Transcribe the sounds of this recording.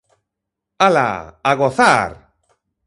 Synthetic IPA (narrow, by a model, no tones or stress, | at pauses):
ala̰aɣoθaɾ